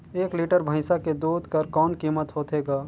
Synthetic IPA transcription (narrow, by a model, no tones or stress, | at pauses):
eːkliːʈəɾbʱə̃ɪsaked̪uːd̪ʱkəɾkɔːnkiːmət̪ɦoːt̪eːɡaː